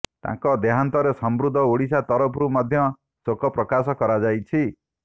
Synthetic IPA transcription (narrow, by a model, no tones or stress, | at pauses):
t̪ã̰ŋkɔd̪eɦant̪ɔɾesɔmbɾud̪ʱɔuɽisat̪ɔɾɔpɾumɔd̪ʱjɔ | sokɔpɾɔkasɔkɔɾad͡ʒajt͡ʃʰi